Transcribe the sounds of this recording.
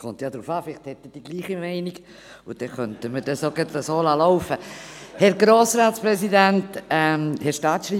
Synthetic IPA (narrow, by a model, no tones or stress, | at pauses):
kʰɔmt̪jad̪ɾuːfɑːfɪlɪχthɛt̪ːəd̥iɡliːχimɛɪniɡ | ʊd̥ɛχœntəmədɛsoɡət̪ləsoːlɑlɔʊfəhɛɾɡɾoːsɾaːtspɾɛsidæntɛmhɛʃtɑːtʃriː